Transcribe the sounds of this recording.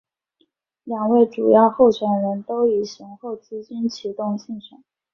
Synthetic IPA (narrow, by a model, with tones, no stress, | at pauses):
ljɑ˨˩ŋwe˥˩ɪʈ͡ʂu˨˩jɑ˥˧ʊxo˥˩ʊɕɥɛ˨˥nɻə˧˥nt̪o˥ʊi˨˩ɕi˧˥nxo˥˩ʊt͡sɹ̩˥t͡ɕi˥nt͡ɕʰi˧˥t̪ʊ˥˧ŋɕi˥˩nɕə̰˨˩˦ŋ